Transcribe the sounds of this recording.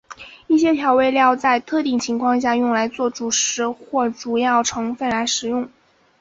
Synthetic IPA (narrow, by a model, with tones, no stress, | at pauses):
i˥˩ɕjɛ˥t̪ʰjɑ˧˥ʊwe˥˧ɪljɑ˥˧ʊt͡sa˥˧ɪt̪ʰɤ˥˧t̪i˥˩ŋt͡ɕʰi˧˥ŋkʰwɑ˥˧ŋɕ̬ja˥˧jʊ˥˩ŋla˧˥ɪt͡swɔ˥˩ʈ͡ʂu˨˩ʂɻ̩˧˥xwɔ˥˩ʈ͡ʂu˨˩jɑ˥˩ʊʈ͡ʂʰɤ˧˥ŋfə˥˩nla˧˥ɪʂɻ̩˨˩jʊ˥˩ŋ